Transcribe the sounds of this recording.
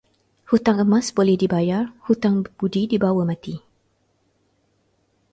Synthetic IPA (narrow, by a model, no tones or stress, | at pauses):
hut̪aŋəmãsbolɛhdibajarhut̪aŋb̥udidibawəmãt̪i